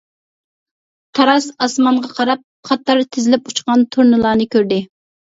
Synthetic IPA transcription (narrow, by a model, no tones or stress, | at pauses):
t̪ʰɑɾɑsɑsmɑɴʁɑqʰɑɾɑp̚qʰɑt̪ʰːɑɾt̪ʰɪzɪlɪput͡ʃqɑnt̪ʰuɾnɨlˠɑːnɨkʲøɾd̪ɪ